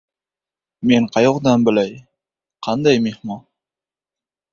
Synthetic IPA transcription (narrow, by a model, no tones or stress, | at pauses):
meɴqʰɑjoqd̪ɑnbɪ̆læj | qʰɑnd̪ɑjmeχmɑ